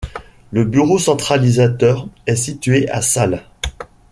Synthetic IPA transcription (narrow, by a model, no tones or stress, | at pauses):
ləbyʁosɑ̃t̪χalizat̪œʁɛsit̪ɥeʔasal